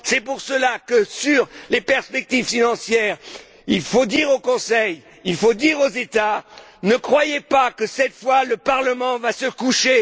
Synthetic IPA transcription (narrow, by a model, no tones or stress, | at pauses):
sɛpuʁsəlakəsyʁlepɛʁspɛk̚t̪ivfinɑ̃sjɛːʁ | ilfod̪iʁokɔ̃sɛj | ilfod̪iʁozet̪a | nəkχwajepakəsɛt̪fwaləpaʁləmɑ̃vasəkuʃe